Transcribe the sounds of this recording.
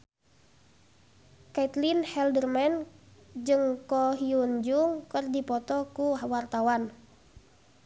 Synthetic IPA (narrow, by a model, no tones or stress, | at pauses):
kait̪linhɛldərmɛnd͡ʒɨŋkɔɦiuɲd͡ʒuŋkɨrdipɔt̪ɔkuwart̪awan